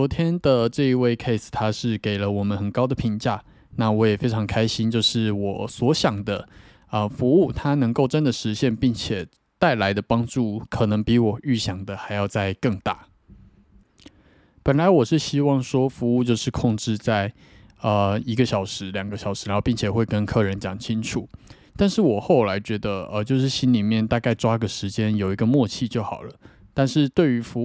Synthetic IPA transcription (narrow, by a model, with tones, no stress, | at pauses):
t͡sɔ˧˥t̪ʰjɛ˥nd̪ə˨ʈ͡ʂɤ˥˧i˧˥we˥˩ɪkʰe˥˧ɪst̪ʰa˥ʂɻ̩˥˩ke˨˩ɪlə˦wɔ˨˩mə˦nxə˨˩nkɑ˥ʊd̪ə˨pʰi˧˥˦nt͡ɕja˥˩ | na˥˩wɔ˧˥jɛ˨˩fe˥ɪʈ͡ʂʰɑ˧˥ŋkʰa˥ɪɕi˥nt͡ɕjo˥˧ʊʂɻ̩˥˩wɔ˨˩swɔ˧˥ɕjɑ˨˩ŋd̪ə˦ | ə˧˩fu˧˥u˥˩t̪ʰa˥nɤ˧˥ŋko˥˩ʊʈ͡ʂə˦˥nd̪ə˨ʂɻ̩˧˥ɕjɛ˥˧npi˥˩ŋt͡ɕʰjɛ˨˩ | t̪a˥˩ɪla˧˥ɪd̪ə˧pɑ˥ŋʈ͡ʂu˥˩kʰɤ˨˩nɤ˧˥ŋpi˧˥wɔ˨˩y˥˩ɕjɑ˨˩ŋd̪ə˦xa˧˥ɪjɑ˥˧ʊt͡sa˥˧ɪkɤ˥˧ŋt̪a̰˥˩ | pə˨˩nla˨˧˥ɪwɔ˨˩ʂɻ̩˥˩ɕi˥wɑ˥˩ŋʂwɔ˥fu˧˥u˥˧t͡ɕjo˥˧ʊʂɻ̩˥˧kʰʊ˥˧ŋʈ͡ʂɻ̩˥˧t͡sa˥˩ɪ | ə˧˩i˧˥ɡə˧ɕjɑ˨˩ʊʂɻ̩˧˥ljɑ˨˩ŋɡə˦ɕjɑ˨˩ʊʂɻ̩˧˥ɻa˧˦˥pi˥˩ŋt͡ɕʰɛ˨˩xwe˥˧ɪkə˦nkʰɤ˥˩ɻə˧˥nt͡ɕjɑ˨˩ŋt͡ɕʰi˥nʈ͡ʂʰu˨˩˦ | t̪a˥˧nʂɻ̩˥˩wɔ˨˩xo˥˩ʊla˧˥ɪt͡ɕɥɛ˧˥d̪ə˧ə˧t͡ɕjo˥˧ʊʂ̬ɻ̩˥˩ɕi˥nli˨˩mjɛ˥˩nt̪a˥˧ka˥˧ɪʈ͡ʂwa˥ɡə˨ʂɻ̩˧˥t͡ɕjɛ˥njo˨˩ʊi˧˦˥ɡə˧mwɔ˥˧t͡ɕʰi˥˧t͡ɕjo˥˩ʊxɑ˨˩ʊlə˦ | t̪a˥˧nʂɻ̩˥˧t̪we˥˩ɪy˧˥fu˧˥